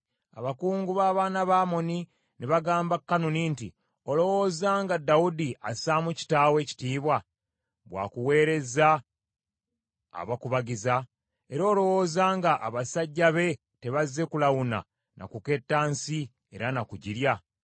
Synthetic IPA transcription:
a̰βakuːŋɡuβaːβaːnaβaːmo̞ni | neβaɡaːmbakːanoninti | olo̞wo̞ːzaːŋɡadːawudiʔasaːmuci̥taːwe̞ːci̥tiːβwa | βwa̰ːkuwe̞ːɾe̞za | βakuβaɡiza | e̞ɾo̞ːlo̞wo̞ːzaːŋɡaʔa̰βasaɟːaβe̞ | te̞βazːe̞kulawuna̰ | nʔa̰kuke̞tːaːnsi | e̞ɾanakuɟiɾja

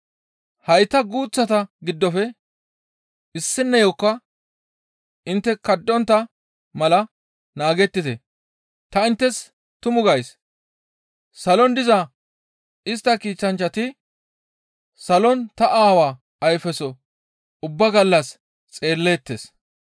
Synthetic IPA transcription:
hɐjt̪ːɐɡuːt͡sːɐt̪ɐɡɪd̪ːɔfɛ | ɪsːɪnːɐjɔkːɐ | ɪnt̪ːɛkɐd̪ːɔnt̪ːɐ | mɐlɐ | naːɡɛt̪ːɪt̪ɛ | t̪ɐɪnt̪ːɛs | t̪ʊmʊɡɐjs | sɐlɔnd̪ɪzɐ | ɪst̪ːɐkiːt͡ʃːɐnt͡ʃːɐt̪ɪ | sɐlɔnt̪ɐʔaːwaː | ɐjfɛsɔ | ʊbːɐɡɐlːɐs | t͡sʼe̞ːlːe̞ːt̪ːes

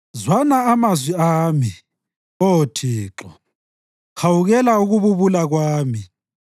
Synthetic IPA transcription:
zwanaːmazwiaːmi | otʰiːǁɔ | hawuɣɛlauɣuβuβulaɣwaːmi

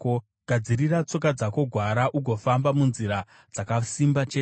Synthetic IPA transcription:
ko | ɡ̥ʱad͡zirirat͡so̞k̬ad͡zako̞ɡʱwaɾaʔuɡʱo̞fambamunziɾa | d͡zakasimbat͡ʃe

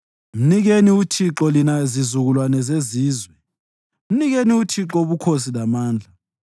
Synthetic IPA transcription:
m̩niɣeniutʰiǁɔlinazizuɣulwanɛzeziːzwɛ | m̩niɣeniutʰiǁɔβukʰos̬ilamaːnd͡ɮʱa

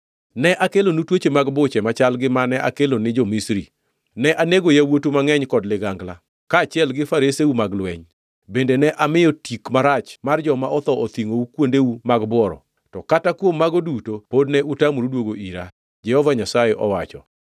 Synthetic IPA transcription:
nɛʔakelonutwot͡ʃemaɡbʊt͡ʃɛmat͡ʃalɡɪmanɛʔa̰kelonɪd͡ʒɔmisɾḭ | nɛʔaneɡojawotumaŋɛɲkɔdlɪɡaŋɡla | kaːt͡ʃɪɛlɡɪfaɾeseumaɡlwɛɲ | bendenɛʔamɪjɔtʰikmaɾat͡ʃmard͡ʒɔmaʔɔt̪ɔʔot̪iŋoukwondeumaɡbwɔɾɔ̰ | tɔkatakwomːaɡodutopodnɛʔutamuɾudwoɡoʔiɾa̰ | d͡ʒɛhɔvaɲasajeʔɔwat͡ʃɔ̰

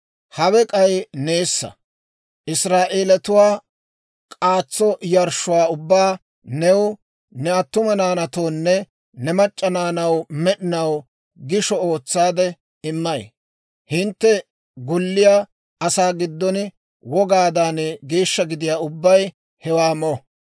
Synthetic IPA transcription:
hɐwɛkʼɐjne̞ːsːɐ̰ | ʔɪsɾaːʔe̞ːlɐt̪ʊwaː | kʼaːt͡sːɔjɐɾʃʊwaːʊbːaː | nɛw | nɛɐt̪ːʊmɐnaːnɐt̪o̞ːnːɛ | nɛmɐt͡ʃʼːɐnaːnɐwmɛɗɪnɐw | ɡɪʃɔo̞ːt͡sːaːd̪ɛ | ɪmːɐj | hɪnt̪ːɛ | ɡʊlːɪjaː | ɐsaːɡɪd̪ːɔn | wɔɡaːd̪aːnɡe̞ːʃːɐɡɪd̪ɪjaːʊbːɐj | hɛwaːmɔ

